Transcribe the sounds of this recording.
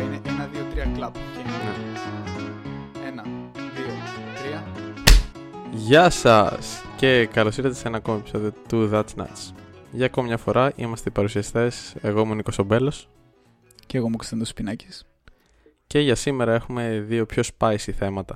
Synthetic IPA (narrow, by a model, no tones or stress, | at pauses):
ineʔenɐðiot̪ɾiɐklɐpceinne | enɐ | ðiot̪ɾiɐ | ʝɐsɐsce̞kɐlosiɾɐt̪esenɐːkomepi̥soðot̪uðɐt͡snɐ̰t̪sʝɐːkomɐmɲɐfo̞ɾɐʔḭmɐst̪epɐɾusiɐst̪e̞se̞ɣo̞imuiniko̞so̞be̞lo̞s | ceɣomukst̪end̪ospinɐci̥s | ce̞ʝɐsime̞ɾɐe̞xume̞ðio̞pço̞spɐisiθe̞mɐt̪ɐ